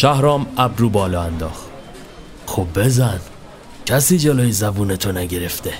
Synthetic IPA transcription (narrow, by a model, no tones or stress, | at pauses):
ʃæhɾɒːmæbɾuːbɒːlɒːænd̪ɒːxt̪ | xobːe̞zæn | cʰæsiːd͡ʒeloːjezæbuːnet̪ʰonæɟe̞ɾeft̪e